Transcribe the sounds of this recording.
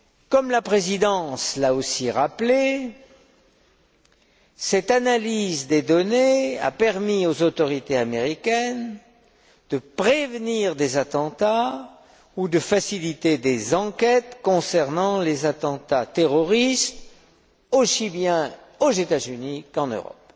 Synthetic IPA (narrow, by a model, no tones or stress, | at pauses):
kɔmlapχezid̪ɑ̃slaosiʁaple | sɛt̪analizd̪ed̪ɔnea̰pɛʁmiozot̪ɔʁit̪eameʁikʲɛn | d̪̥əpχevniʁd̪ezat̪ɑ̃t̪a | ud̪əfasilit̪ed̪ezɑ̃kʲɛt̪kɔ̃sɛʁnɑ̃lezat̪ɑ̃t̪at̪eʁɔʁist̪ | osibjɛ̃ | ozet̪azynikɑ̃nø̰ʁɔ̰p̚